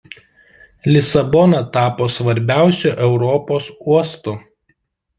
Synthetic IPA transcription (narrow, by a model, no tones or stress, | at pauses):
lʲɪsɐbɔnɐt̪ɑːpoːsʋɐɾʲbʲæˑʊsʲuʔɛʊɾɔpoːsuɔst̪ʊ